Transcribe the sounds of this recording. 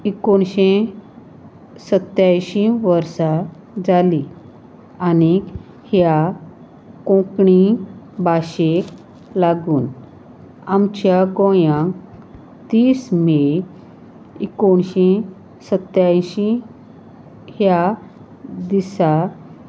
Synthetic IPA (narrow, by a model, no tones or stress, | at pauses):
ikoɳɕẽ | sət̪jajɕĩʋəɾsa | d͡zali | ani | hja | kɔ̃kɳi | baɕek | laɡuːn | amt͡ɕjaɡɔ̃jã | t̪iːsme | ikoɳɕẽ | sət̪jaɕĩ | hja | d̪isa